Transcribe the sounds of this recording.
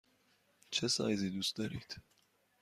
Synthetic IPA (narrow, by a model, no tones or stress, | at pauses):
t͡ʃʰesɒ̰ːjziːd̪uːst̪̚d̪ɒɾḭːd̪̥